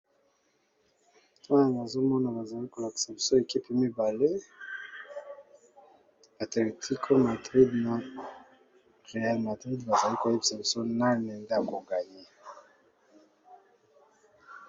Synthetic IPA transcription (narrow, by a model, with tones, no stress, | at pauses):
tja˨ŋɡa˨zo˦mɔ˦na˨ba˨za˨li˦ko˨la˨ki̥˨sa˨bi˨so˦e˨ki˦pe˦mi˦ba˨le˦ | a˨tle˨tʰi˦kʰo˦ma˨dʁi˦dna˨ | ʁe˨a˦lma˨dʁi˦dba˨za˨li˦ko˨e˦bi̥˨sa˨bi˨so˦na˦nɛ˨nda˦˨ko˨ŋɡa˨ɲi˦